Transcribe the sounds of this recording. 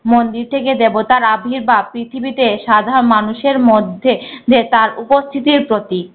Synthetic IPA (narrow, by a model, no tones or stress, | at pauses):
mond̪iɾt̪ʰeked̪ebot̪aɾabʱiɾbapɾit̪ʰibit̪eʃad̪ʱaɾonmanuʃeɾmod̪ʱːed̪et̪aɾupost̪ʰit̪iɾpɾot̪i